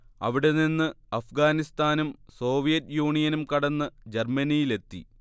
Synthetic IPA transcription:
ɐ̰ʋiɽe̞ninːɨ | ɐfɡaːnist̪aːnumso̞ːʋijɐtjuːɳijɐnumkɐɽɐnːɨd͡ʑermɐnijile̞t̪ːḭ

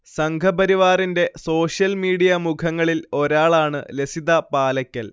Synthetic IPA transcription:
sɐŋkʰɐbɐɾiʋaːrinde̞so̞ːʂjɐlmiːɽijɐmukʰɐŋːɐɭilo̞ɾaːɭaːɳɨ̰lesiðɐpaːlɐkʲːɐl

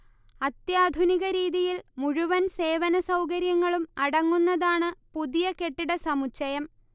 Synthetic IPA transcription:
ɐt̪jaːd̪ʱuniɣɐɾiːðijilmuɻuʋɐnse̞ːʋɐnɐsɐwkɐɾjɐŋːɐɭumɐɽɐŋːunːɐðaːɳɨpuðijɐke̞ʈːiɽɐsɐmut͡ɕːɐjɐm

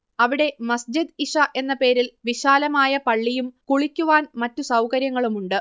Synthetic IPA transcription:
ɐʋiɽe̞mɐsd͡ʑid̪iʂɐʔe̞nːɐpe̞ːɾilʋiɕaːlɐmaːjɐpɐɭːijumkuɭikʲːuʋaːnmɐtːusɐwkɐɾjɐŋːɐɭumuɳɖɨ

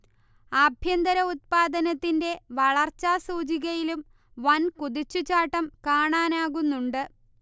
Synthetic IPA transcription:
ɐbʱjɐnd̪ɐɾɐut̪̚paːd̪ɐnɐt̪ːinde̞ʋɐɭɐrt͡ɕːaːsuːd͡ʑiɣɐjilum | ʋɐnkuðit͡ɕːut͡ɕaːʈːɐmkaːɳaːnaːɣunːuɳɖɨ

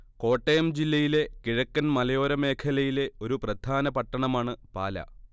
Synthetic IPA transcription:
ko̞ːʈːejɐmd͡ʑilːɐjile̞kiɻɐkːɐnmɐlɐjo̞ːɾɐme̞ːkʰɐlɐjile̞o̞ɾuprɐd̪ʱaːnɐpɐʈːɐɳɐmaːɳɨpa̰ːlɐ̰

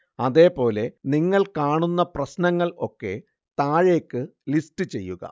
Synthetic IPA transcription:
ɐðe̞ːpo̞ːle̞niŋːɐɭkaːɳunːɐprɐsnɐŋːɐɭo̞̰kːe̞̰ | t̪aːɻe̞ːkːɨlistɨt͡ɕe̞̰jːuɣɐ̰

